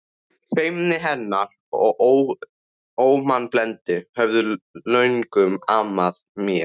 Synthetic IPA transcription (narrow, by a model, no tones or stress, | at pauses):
fejmnɪɦɛnːaɾ | ɔɣ | oːwmanːplɛnt̪ɪhɛvðʏlœɥnkʏmaːmaðmjɛ